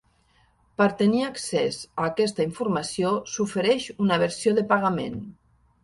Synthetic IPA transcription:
pəɾt̪əniaksɛzaːkɛst̪aiɱfuɾmasiosufeɾɛʃunaβ̞əɾsijoðəpaɣamḛn

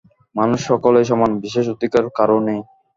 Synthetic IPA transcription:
manuʃːɔkolejʃ̬ɔmanbiʃeʃot̪ikaɾkaɾone

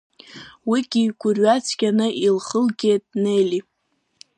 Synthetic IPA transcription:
wiɡʲiɡʷʊrɥat͡sʰɡʲanɨʔilχəlɡʲejtʼnejlʲi

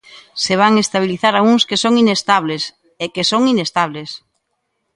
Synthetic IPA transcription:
seβ̞aŋest̪aβ̞iliθaɾauŋskesoŋinest̪aβ̞les | ekesoŋinest̪aβ̞les

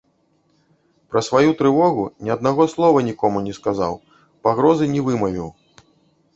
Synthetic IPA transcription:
pɾɐsvajut̪ɾɨvɔɣunʲiɐd̪̚naɣɔslˠɔvɐnʲikɔmunʲɛskaza̰w | paɣɾɔzɨnʲɛvɨmɐvʲiw

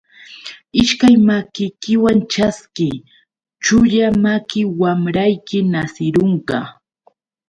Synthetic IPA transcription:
ɪʃkajmakɪjkɪwant͡ʃaskɪ | t͡ʃʊʎamakɪwamɾajkɪnasɪɾoɴɢɑ

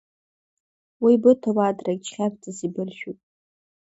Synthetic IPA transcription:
wibɨtʰawaːdrakʲʼt͡ʃχʲapʰt͡sʼazibɨrʃᶣupʼ

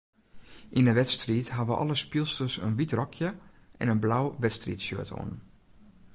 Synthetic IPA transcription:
ʔinəʋɛtstriːtɦaʋəʔɔ̰lˠəspilˠstəsə̰nʋitrɔkʰjəʔɛ̰nənblawʋɛtstritsjø̰ətʰo̰ən

